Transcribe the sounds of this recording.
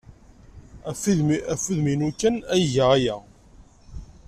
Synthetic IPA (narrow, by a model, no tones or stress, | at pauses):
fæfuðminukːænæjʝəʁæjæ